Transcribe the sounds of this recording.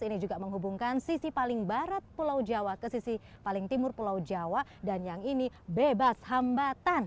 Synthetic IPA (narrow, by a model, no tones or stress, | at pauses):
inid͡ʒuɡaməŋɦubuŋkansisipalɪŋbaɾat̪̚pulawd͡ʒawakəsisipalɪŋt̪imʊrpulawd͡ʒawadanjaŋinibebashambat̪an